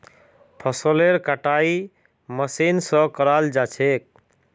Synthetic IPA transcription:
pʰəsoleɾkaʈai | məsinsə̃kəɾald͡ʒat͡ʃʰek̚

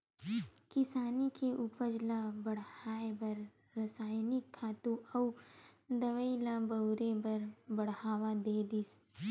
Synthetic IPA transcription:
kɪsaːnikeʔupəd͡ʒlabɐɽ̤aːebɐɾ | ɾəsaːjnɪkʰːaːt̪uɐ | d̪ɐʋəilabɐʊɾebɐɾbɐɽhaːʋad̪eːd̪is

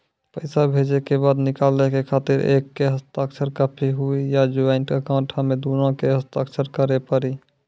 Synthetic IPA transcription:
pəɪsabʱed͡ʒekebad̪nikalɛkekʰat̪iɾʔḛkːeɦəst̪əksʰəɾkəpʰiɦuijad͡ʒuaɪnʈkekãʈʰamed̪unõkeɦəst̪a̰ːksəɾkəɾepəɾi

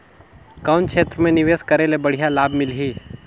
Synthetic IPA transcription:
kaːʊnkʃʰeːt̪ɾəmẽnɪʋeːskəɾelebəɽ̤ijalaːbmɪlɦiː

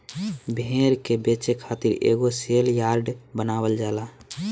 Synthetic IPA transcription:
bʱeːɾkebet͡ʃekʰaːt̪iɾḛːɡoseːljaːɾɖbənaːwəld͡ʒaːla

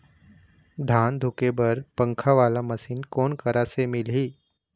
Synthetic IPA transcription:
d̪ʱaːnd̪ʱʊkebəɾpə̃ŋkʰaʋaːlaməsiːnkoːnkəɾasemɪlɦiː

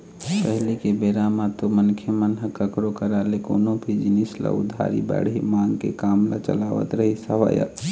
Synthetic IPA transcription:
pəɦlikebeɾamat̪omənkʰjəmənɦəkəkɾokəɾalekoːnõbʱid͡ʒinisla̰ʊd̪ʱːa̰ɾḭbɛ̰ɽɦimãːŋɡkḛkaːmla̰t͡ʃə̰laʋə̰t̪ɾəɦisəʋa̰ːjə̰

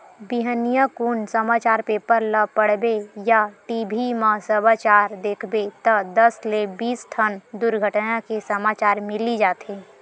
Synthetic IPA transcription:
biɦənijakunsəmaːt͡ʃaːɾpeːpəɾləpəɽ̤bejaʈibʱimãsəbaːt͡ʃaːɾd̪eːkʰbet̪əd̪ɐslebiːsʈ̪ʰənd̪ʊɾɡʱəʈnakesəmaːt͡ʃaːɾmɪlid͡ʒaːt̪eː

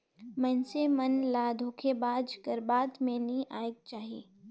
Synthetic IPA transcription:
mɛ̃nsemɐnlaːd̪ʱoːkʰebaːd͡ʒkəɾbaːd̪mẽnĩʔaːjeɡ̚t͡ʃaːɦieː

